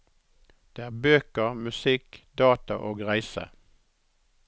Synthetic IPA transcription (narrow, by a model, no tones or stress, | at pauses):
d̪̥eːæːʁbøːkəʁmʉsɪkd̪ɑːt̪ɑʔoːɡʁæɪsə̰